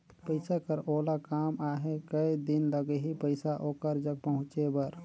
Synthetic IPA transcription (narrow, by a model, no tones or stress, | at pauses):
pəɪsakəɾoːlakaːmaɦekəid̪ɪnləɡeɦipəɪsaʔoːkəɾd͡ʒəɡ̚pəɦʊ̃t͡ʃebəɾ